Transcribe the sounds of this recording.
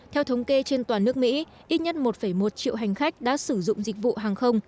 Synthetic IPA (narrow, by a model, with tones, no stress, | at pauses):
t̪ʰɛ˧wt̪ʰə˨˦wŋ͡mke˧t͡ɕe˧nt̪waː˨˩nɨ˦˥ək̚mḭ˧˥ | ʔi˦˥t̚ɲə˦˥t̚mo˨˩t̚fə˧˩jmo˨˩t̚t͡ɕḭ˧˨wɦa˨˩jŋ̟xa˦˥jk̟̚ɗa̰ː˧˥sɨ˧˩zʊ̰˧˨ŋ͡mzï˨˩k̟̚vṵ˧˨ɦaː˨˩ŋxə˧wŋ͡m